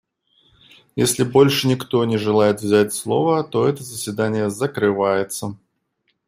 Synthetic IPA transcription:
jesʲlʲɪbo̞lʲʂɨnʲɪkt̪o̞nʲɪʐɨlˠajɪt̪vzʲætʲslˠo̞vət̪o̞ɛt̪əzəsʲvʲɪd̪anʲɪjəzəkɾɨvajɪt̪sə

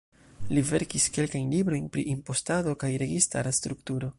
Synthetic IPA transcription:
live̞̰ɾkiske̞lkajnlibɾo̞jnpɾḭʔimpo̞stado̞kajɾe̞ɡista̰ɾast̪ɾuktuɾo̞

